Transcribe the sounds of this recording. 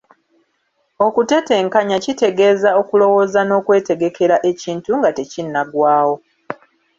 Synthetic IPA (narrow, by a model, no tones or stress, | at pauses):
o̞kute̞te̞ːŋkaɲacite̞ɡe̞ːzao̞kulo̞woːzano̞ːkwe̞ːte̞ɡe̞kʰe̞ɾaʔe̞ciːntuŋɡate̞cinːaɡwaːwo̞